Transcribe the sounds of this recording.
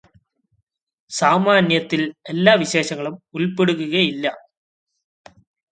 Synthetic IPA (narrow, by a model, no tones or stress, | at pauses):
saːmaːnjɐt̪ːile̞lːaːʋiɕe̞ːɕɐŋːɐɭumulpeɽuɣuɣɐjilːɐ